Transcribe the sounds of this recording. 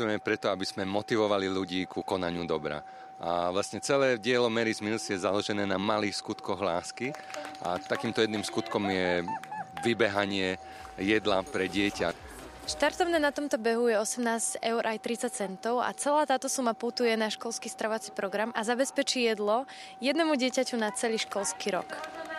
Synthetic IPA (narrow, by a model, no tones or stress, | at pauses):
ɛɛpɾɛt̪ɔabiz̥mɛmɔt̪iʋɔʋaliluɟiːkukɔnaɲɪud̪ɔbɾa̰ | ʔa̰ʋlasɲɛt͡sɛlɛːɟɪɛlɔmɛɾizmilsjɛzalɔʒɛnɛːnamaliːxskut̪kɔɣla̰ːskia̰t̪akiːmt̪ɔjɛd̪nimskut̪kɔmjɛ | ʋibɛɦaɲɪɛ | jɛd̪lapɾɛɟɪɛca̰ | ʃt̪aɾt̪ɔʊnɛːnat̪ɔmt̪ɔbɛɦujɛɔsɛmnaːzɟɛʊɾʔajt̪ɾit͡sac̚t͡sɛnt̪ɔʊa̰t͡sɛlaːt̪aːt̪ɔsumaput̪ujɛnaʃkɔlskiːst̪ɾaʋat͡si̥pɾɔɡɾamazabɛspɛt͡ʃiːjɛd̪lɔ | jɛd̪nɛmuɟɪɛcacunat͡sɛliːʃkɔlskiːɾɔ̰k